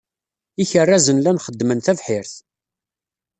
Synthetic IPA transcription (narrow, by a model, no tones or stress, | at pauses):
içərːæzənlænχəd̪ːmənθævħɪɾθ